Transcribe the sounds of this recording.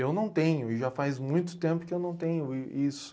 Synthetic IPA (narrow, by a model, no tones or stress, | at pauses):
ewnɐ̃w̃t̪ẽɲʊɪʒafazmũj̃t̪̬ʊ̥t̪ẽpʊkɪewnɐ̃w̃t̪ẽɲʊisʊ̥